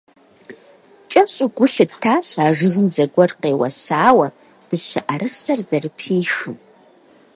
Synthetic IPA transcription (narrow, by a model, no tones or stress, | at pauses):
t͡ʃʼɐɕʼɪɡʷʊɬɨtʰːaːɕʼaːʒɨɣɨmzɐɡʷɔrqeːwɐ̰saːwɐ | b̥ɨɕɐʔɐɾɨsɐrzɐrɨpʰiːxɨm